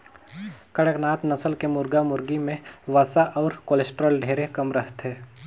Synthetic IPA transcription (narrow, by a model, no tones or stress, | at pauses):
kəɽəknaːt̪nəsəlkemʊɾɡamʊɾɡimẽʋaːsaʔɔːɾkoːlesʈɾəlɖʱeːɾekɐmɾəst̪ɦɛː